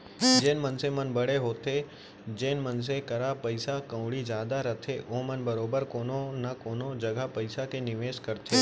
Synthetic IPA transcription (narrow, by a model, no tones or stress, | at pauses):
d͡ʒeːnmənsemənbəɽeɦoːt̪ʰe | d͡ʒeːnməns̬ekəɾapəɪsakə̃ʊɽɭid͡ʒjaːd̪aɾət̪ʰeomənbəɾoːbəɾkoːnonakoːnod͡ʒəɡapəɪsakenɪʋeːʃkəɾt̪ʰe